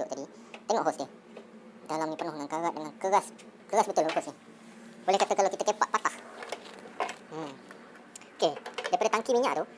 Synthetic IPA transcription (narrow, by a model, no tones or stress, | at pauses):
ʊʔt̪adi | t̪eŋɔ̰ʔɦɔsdiə | dalamnipərnʊhŋankaɾaʔ̪̚dəŋankəɾaskəɾasbət̪ʊlabɦɔsni | bolɛhkat̪əkalawkit̪akəpaʔpat̪ah | okedajpadat̪aŋkimiɲã̰ʔt̪o